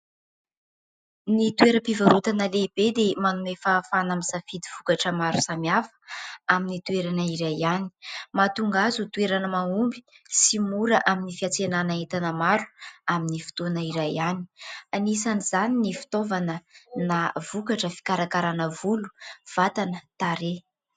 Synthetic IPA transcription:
nit̪ueɾəpivaɾut̪anəleb̥ed̪emanumefaːfanamisafid̪iv̥ukaʈ͡ʂəmaɾusamiafə̥aminit̪uweɾanəiɾajani̥mat̪uŋɡazut̪ueɾanəmaumbi̥ | simuɾəʔaminifiat͡senanaet̪anəmaɾuaminifi̥t̪onəiɾajani̥anisanizaninifi̥t̪ovanənavukaʈ͡ʂəfi̥kaɾakaɾanəvulu̥v̥at̪anət̪aɾe

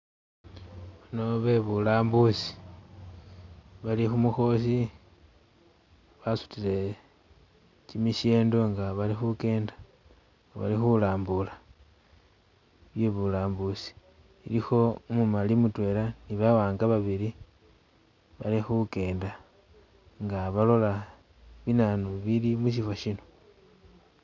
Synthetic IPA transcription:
βano̞βe̞βulaːmbusi̥ | βalixumuxo̞s̬i | βasu̥tile̞ | cimiʃe̞ːndo̞ŋɡaβalixuke̞ːndḁ | ŋɡaβa̰lixulaːmbula | βje̞βulaːmbusi̥ | ilixo̞mumalimutwe̞laniβawaːŋɡaβaβili | βalixuke̞ːnda | ŋɡaβalo̞la | βinanuβilimuʃ̬ifwaʃino̞

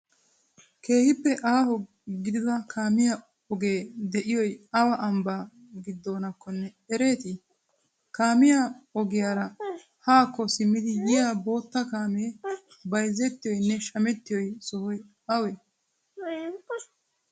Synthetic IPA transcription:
ke̞ːhɪpːɛʔaːhɔ | ɡɪd̪ɪd̪ɐkʰaːmɪjɐ | ɔɡe̞ːd̪ɛʔɪjɔjɐwɐʔɐmbaː | ɡɪd̪ːo̞ːnɐkːɔnːɛ | ɛɾe̞ːt̪ɪ | kaːmɪjaɔɡɪjaːɾɐ | haːkːɔsɪmːɪd̪ɪjɪjaːbo̞ːt̪ːɐkaːmɛ | bɐjzɛt̪ːɪjɔjnːɛʃɐmɛt̪ːɪjɔjsɔhɔj | ɐwɛ

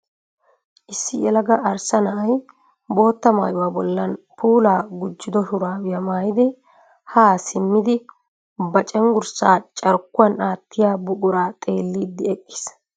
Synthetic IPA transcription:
ʔɪsːɪʔɛlɐɡɐʔːɾsɐnɐʔɐj | bo̞ːt̪ːɐma̰ːjʊwaːbɔlːɐnpuːlaːɡʊd͡ʒːɪd̪ɔhʊɾaːwɪjɐmaːjɪd̪ɪ | haːsɪmːɪd̪ɪ | bɐt͡ʃʼɛŋɡʊɾsaːt͡ʃʼɐɾkːʊwɐnaːt̪ːɪjaːbʊɡʼʊɾaːt̪ʼe̞ːlːid̪ːɪɛkʼːɪ̥s

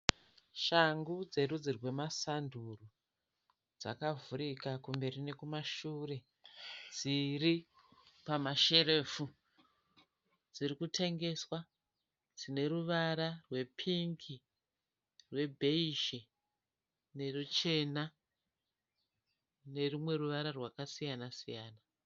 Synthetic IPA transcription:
ʃaŋɡud͡ze̞ɾud͡zirwe̞masanduru | d͡za̰kavuɾikakumbe̞rine̞kumaʃure̞ | d͡ziri | pamaʃe̞ɾe̞ːfu | d͡zirikutʰe̞ŋɡe̞swa | d͡zine̞ɾuʋaɾarwe̞pʰiŋki | rwe̞bʱe̞iʃe | ne̞rut͡ʃe̞na | ne̞rumwe̞ruʋaɾarwakasijanasijaːna

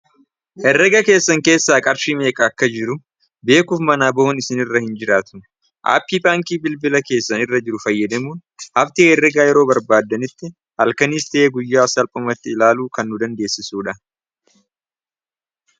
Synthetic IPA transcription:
hɛrːɛɡɐke̞ːsːɐŋke̞ːsːaːkʼɐɾʃiːme̞ːkʼɐːkːɐd͡ʒɪɾʊ | be̞ːkuːfmɐnaːbɔhɔnɪsɪnɪrːɐhɪnd͡ʒɪɾaːt̪ʊ̥ | ʔa̰ːpːiːbaːŋkiːbɪlbɪlɐke̞ːsːɐnɪrːɐd͡ʒɪɾʊfɐjːɐd̪ɐmuːnhɐft̪iːɛrːɛɡaːjɛɾo̞ːbɐɾbaːd̪ːɐnɪt̪ːɪ | hɐlkɐniːst̪ɐeːɡʊjːaːsɐlpʼʊmɐt̪ːɪːlaːluːkɐnːʊd̪ɐnd̪e̞ːsːɪsuːᶑɐ

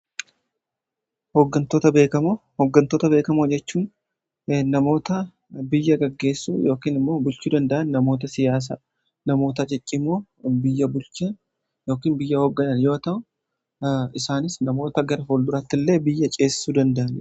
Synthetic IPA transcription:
hoɡːɐnt̪oːt̪ɐbeːkɐmhɔɡːɐnt̪oːt̪ɐbe̞ːkɐmod͡ʒɛt͡ʃːuːn | nɐmo̞ːt̪ɐ | bɪjːɐɡɐɡːe̞ːsːṵːjo̞ːkiːnɪmːo̞ːbʊlt͡ʃuːd̪ɐnd̪ɐʔɐnːɐmo̞ːt̪ɐsɪjaːs̬ɐ | nɐmo̞ːt̪ɐt͡ʃʼɪt͡ʃʼːɪmoː | bɪjːɐbʊlt͡ʃɐ | jo̞ːkiːnbɪjːɐhɔɡːɐnɐnjo̞ːt̪ɐʔʊ | ɪsaːnɪsnɐmo̞ːt̪ɐɡɐɾɐɦold̪ʊɾɐt̪ːɪlːe̞ːbɪjːɐt͡ʃʼe̞ːsɪ̥suːd̪ɐnd̪ɐʔɐn

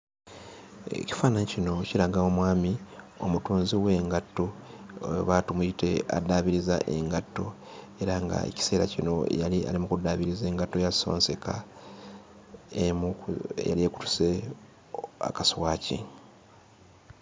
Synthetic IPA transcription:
ḛci̥faːnaɲicino̞ciɾaɡawomwaːmi | o̞̰mutuːnziwe̞ːŋɡatːo | βatumuite̞a̰daβiɾiza̰ʔe̞̰ŋɡatːo | e̞ɾaŋɡa̰ḛci̥se̞ːɾacino̞̰jalia̰limukudaβiɾize̞ːŋɡatːo̞jaso̞̰ːnse̞kʰa | emuḛja̰lieku̥tu̥se | a̰kaswaːcḭ

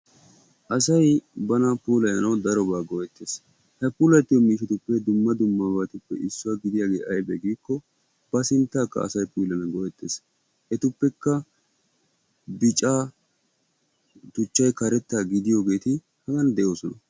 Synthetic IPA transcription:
ʔɐsɐjbɐnɐpuːlɐjɐnɐwd̪ɐɾɔbaːɡɔʔɛt̪ːeːs | hɐpuːlɐjt̪ːɪjomiːʃɛt̪ʊpːɛd̪ʊmːɐd̪ʊmːaːbat̪ʊpːɛ̰ʔɪsːʊwaɡɪd̪ɪjaːɡe̞ːʔɐjbɛɡiːkːɔ | b̥ɐsɪnt̪ːaːkːɐ̰ɐ̰sɐjpuːlɐnɐɡɔʔɛt̪ːe̞ːs | ʔɛt̪ʊpːɛkːɐ | bɪt͡ʃʼaː | t̪ʊt͡ʃːɐjkɐɾɛt̪ːaːɡɪd̪ɪjo̞ːɡe̞ːt̪ɪ | hɐɡɐnd̪ɛʔo̞ːsɔnɐ

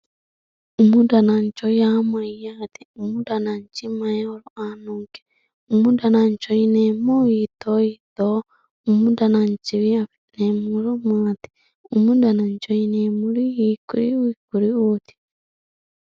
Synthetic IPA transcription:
omudanaɲt͡ʃojamwaijat̪i̥omudanaɲt͡ʃimajaoɾuanuːŋke̥ | omudanaɲt͡ʃoinemojitoit̪o | omudanaɲt͡ʃiβia | nemuɾomaːt̪i̥ | omudanaɲt͡ʃoinemuɾijikuɾiwikuɾiut̪i̥

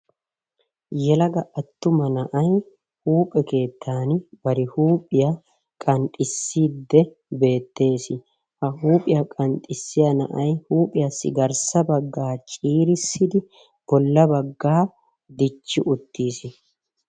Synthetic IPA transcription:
jɛlɐɡɐʔɐt̪ːʊmɐnɐʔɐj | huːpʼɛke̞ːt̪ʰːaːnɪbɐɾɪhuːpʼɪjɐ | kʼɐnt̪ʼɪsːiːd̪ːɛ | be̞ːt̪ːe̞ːsɪ | hɐhuːpʼɪjɐkʼɐnt̪ʼɪsːɪjɐnɐ̰ʔɐjhuːpʼɪjɐsɪ̰ɡɐɾsɐbɐɡːaːt͡ʃʼiːɾɪsːɪd̪ɪ | b̥ɔlːɐbɐɡːaː | d̪ɪt͡ʃːɪʔʊt̪ːiːsɪ

